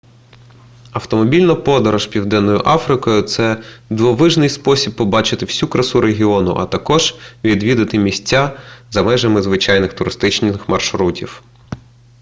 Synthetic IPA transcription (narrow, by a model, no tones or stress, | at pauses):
ɐwt̪ɔmɔbʲilʲnɔpɔd̪ɔɾɔʃpʲiwd̪ɛnːɔjʊʔɑfɾɪkɔjʊt̪sɛd̪ʋɔʋɪʒnɪjspɔsʲib̚pːɔbɑt͡ʃɪt̪ɪwsʲukɾɐsuɾeɦʲiɔnʊ̰ʔɐ̰t̪ɐkɔʒ̥ʋʲid̪ʋʲid̪ɐt̪ɪmʲisʲtʲːazɐmɛʒɐmɪzʋɪt͡ʃɑjnɪxt̪ʊɾɪst̪ɪt͡ʃnʲxmɐrʃɾutʲiw